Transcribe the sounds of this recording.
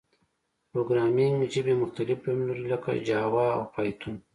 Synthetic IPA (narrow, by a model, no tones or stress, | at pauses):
pɾoːɡɾɑːmiŋɡd͡ʒibemʊxt̪alɪflamlaɾilaka̰d͡ʒaːwaa̰wpajt̪ʰun